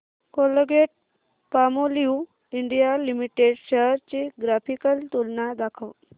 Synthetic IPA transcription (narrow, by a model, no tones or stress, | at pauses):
koləɡeʈ̚ | pamoliu | iɳɖijalimiʈeɖɕəɦɾt͡ɕiɡɾafikəlt̪ulnad̪akʰəw